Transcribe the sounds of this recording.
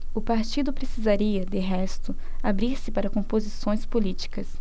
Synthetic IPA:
ʊpaɾt͡ʃid̪ʊpɾesizaɾiɐd̪ɪɦɛst̪ʊ | abɾiɾsɪpaɾɐkõpozisõj̃spolit͡ʃi̥kɐs

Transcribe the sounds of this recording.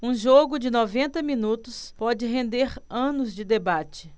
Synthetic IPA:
ũʒoɡʊd͡ʒɪnɔvẽnt̪ɐmĩnut̪ʊspɔd͡ʒɪɦẽnd̪eɾɐ̃nʊzd͡ʒɪd̪ebat͡ʃɪ̥

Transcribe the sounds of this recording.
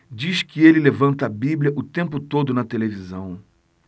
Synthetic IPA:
d͡ʒiskɪelɪlevɐ̃nt̪ɐːbibliɐʔʊt̪ẽmpʊt̪od̪ʊnɐt̪elevizɐ̃w̃

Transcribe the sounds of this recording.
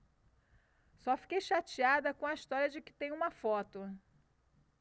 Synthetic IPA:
sɔfi̥kejʃat͡ʃiad̪ɐkõɐist̪ɔɾjɐd͡ʒɪkɪ̥t̪ẽj̃ũmɐfɔt̪ʊ

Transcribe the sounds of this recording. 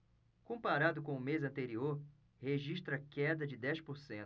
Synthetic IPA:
kõpaɾad̪ʊkõʊmezɐ̃nt̪eɾioɾ | heʒiʃt̪ɾɐkɛd̪ɐd͡ʒɪd̪ɛspʊɾsẽ

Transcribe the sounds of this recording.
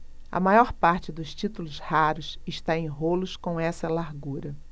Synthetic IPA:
ɐ̰majɔɾpaɾt͡ʃɪd̪ʊʃt͡ʃit̪ulʊshaɾʊsɪʃt̪aẽj̃ɦolʊskõw̃ɛsɐlaɾɡuɾɐ

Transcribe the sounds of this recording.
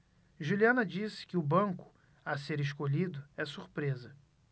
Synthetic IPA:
ʒuliɐ̃nɐd͡ʒisɪ̥kɪʊbɐ̃ŋkʊ̥ | aseɾeʃkoʎid̪ʊɛsuɾpɾezɐ

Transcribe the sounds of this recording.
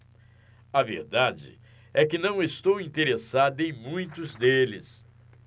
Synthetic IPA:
ɐvḛɾd̪ad͡ʒɪ̰ | ɛkɪnɐ̃w̃est̪owĩnt̪eɾesad̪ɐẽj̃mũj̃t̪ʊzd̪elɪ̰s

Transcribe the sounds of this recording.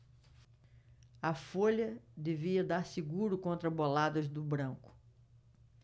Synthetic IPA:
ɐfoʎɐd̪eviɐd̪aɾsiɡuɾʊkõnt̪ɾɐbolad̪ɐzd̪ʊbɾɐ̃ŋkʊ̥

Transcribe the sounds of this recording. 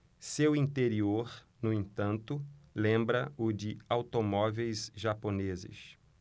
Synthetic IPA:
sewĩnt̪eɾioɾ | nʊẽnt̪ɐ̃nt̪ʊlẽmbɾɐʊd͡ʒɪawt̪omɔvejzʒaponezɪ̰s

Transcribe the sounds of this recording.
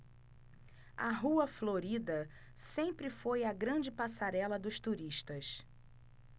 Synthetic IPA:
ɐɦuɐfloɾid̪ɐ | sẽmpɾɪfojɐɡɾɐ̃d͡ʒɪpasaɾɛlɐd̪ʊʃt̪uɾiʃt̪ɐs

